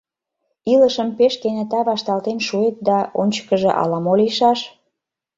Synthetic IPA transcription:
iləʃəmpeʃkenet̪ɑβɑʃt̪ɑlt̪enʃuet̪̚d̪ɑonʲt͡ɕə̥kəʒeʔɑ̰lɑmoliʃɑʃ

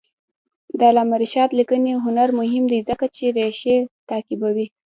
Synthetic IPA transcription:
d̪alamaɾiʃɑt̪likəneɦʊnaɾmʊɦɪmd̪ejzəkat͡ʃeɾeʃet̪ɑkɪbawi

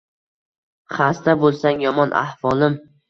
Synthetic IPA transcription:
χast̪abolˠsaŋjɒmɒnʔa̰hvɒlˠɪm

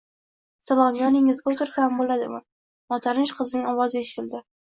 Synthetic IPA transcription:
salˠɒmjɒnɪŋɪzɡʲaʊt̪ɪɾsambolad̪ɪ̰ma | mɒt̪ʰaɾɪnʃqʰɨzɪnɪŋɒwɒzɪeʃɪ̥t̪ʰɪld̪ɪ

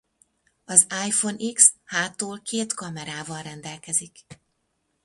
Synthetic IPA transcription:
ɒzaːjfo̞nʔikshaːt̪ːoːlkʰeːt̪kɒmɛɾaːvɒlrɛnd̪ɛlkɛzik

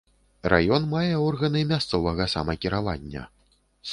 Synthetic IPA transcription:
ra̰jɔnmajɛɔrɣɐnɨmʲast̪sɔvɐɣɐsa̰mɐkʲiɾava̰nʲːɐ̰ | s

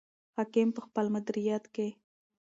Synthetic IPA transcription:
hɑkɪmpəxpəlmʊd̪ɾijat̪ke

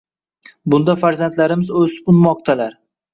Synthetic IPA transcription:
bʊnd̪afaɾzant̪laɾɪmɪzɵspʊnmɒq̚t̪ʰalaɾ

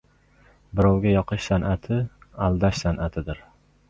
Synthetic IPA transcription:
bɪɾɒwɡʲajɒqʰɨʃsanʔat̪ʰɪalˠd̪aʃsanʔat̪ʰɪd̪ɪɾ

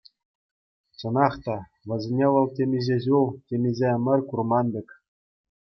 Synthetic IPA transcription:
t͡ɕɤ̆nɑχt̪ɑ | ʋɤ̆zʲenʲeʋɤ̆lˠtʲemʲizʲeʑulˠtʲemʲizʲeɘmʲɘ̆rʲkurmɑndʲɘ̆kʲ

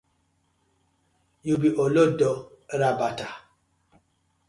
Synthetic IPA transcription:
jubiʔolodɔɾabata

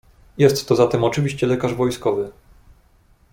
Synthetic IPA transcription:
jɛst̪ːɔzat̪ɛmɔt͡ʂɘvʲiɕt͡ɕɛlɛkaʐvɔjskɔvɘ

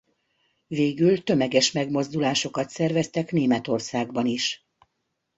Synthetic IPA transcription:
veːɡylt̪ø̞mɛɡɛʃmɛɡmo̞zd̪ulaːʃo̞kɒt̪sɛrvɛst̪ɛkneːmɛt̪o̞rsaːɡbɒniʃ

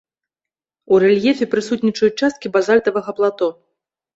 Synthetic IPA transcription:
uɾɛlʲjɛfʲɛpɾɨsut̪ʲnʲit͡ʂɐjut͡ʂast̪kʲibazalʲt̪ɐvɐɣɐplˠat̪ɔ

